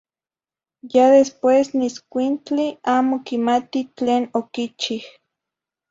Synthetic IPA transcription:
jaðespwesniskʷint͡ɬiaːmokimat̪it͡ɬeːnokit͡ʃih

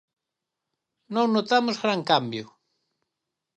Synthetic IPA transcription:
nõnot̪amʊzɣɾaŋkambjʊ

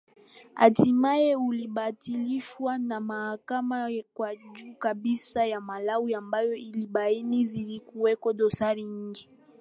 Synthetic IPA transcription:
a̰timajeulibatiliʃwanamahakamakwad͡ʒukabisajamalawuambajɔilibainizilikuwɛkɔdɔsaʁiɲiŋɡi

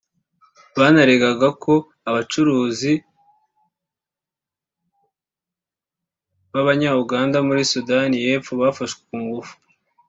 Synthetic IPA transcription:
βanaɾeɡaɡako̞ | aβat͡ʃuɾuːzi | βaβaɲauɡaːndamuɾisudanije̞ːfuβafaʃɡwekuːŋɡufu̥

